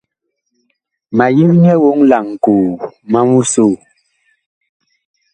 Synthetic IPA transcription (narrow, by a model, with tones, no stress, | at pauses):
ma˨ji˦kɲɛ˦wo˦ŋla˨ŋ̩˨kuː˨ma˦mu˦so˦˨